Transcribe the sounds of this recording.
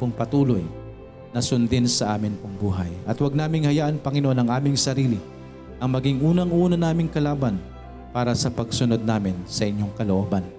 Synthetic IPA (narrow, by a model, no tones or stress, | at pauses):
poŋpɐt̪uːloj | nɐsʊnd̪ɪnsɐʔaːmɪnpʊŋbuːɦɐ̰jʔɐt̪wɐɡ̚naːmɪŋhɐjaːʔɐnpɐŋɪnoʔonɐŋʔaːmɪŋsɐɾiːlɪ | ʔɐŋmɐɡɪŋʔuːnɐŋʔuːnɐnaːmɪŋkɐlaːbɐn | paːɾɐsɐpɐɡsʊno̞d̪̚naːmɪnsɐʔɪɲːoŋkɐloʔoːbɐn